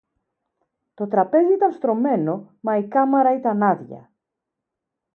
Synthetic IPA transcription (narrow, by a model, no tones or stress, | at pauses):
t̪o̞t̪ɾɐpe̞ziit̪ɐnst̪ɾo̞me̞no̞ | mɐikɐmɐɾɐit̪ɐnɐðʝɐ̰